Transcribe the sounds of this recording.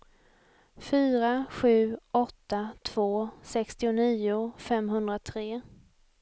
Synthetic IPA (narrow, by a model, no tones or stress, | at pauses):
fyːɾaɧʉ̟ːɔt̪ːat̪ʰv̥oːsɛkst̪ɪʊniːʊfɛmɦɵnd̪ɾat̪ʰɾeː